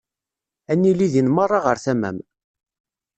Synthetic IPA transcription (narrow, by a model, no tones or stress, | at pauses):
ænːiliðinmərˤːɑʁəɾθæmæ̰m